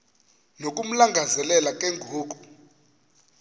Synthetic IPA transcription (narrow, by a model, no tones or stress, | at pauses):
nokʼum̩laŋɡʱazɛlɛlakʼeŋɡʱoːk̬ʼu